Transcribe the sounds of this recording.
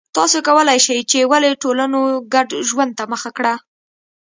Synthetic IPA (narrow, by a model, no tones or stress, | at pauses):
t̪ɑsokawəlajʃajt͡ʃewaleʈolanoɡaɖʒwand̪̚t̪aməxakɽa